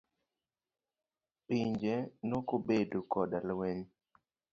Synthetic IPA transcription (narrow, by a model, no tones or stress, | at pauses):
piɲd͡ʒenɔkobedokɔdalwɛɲ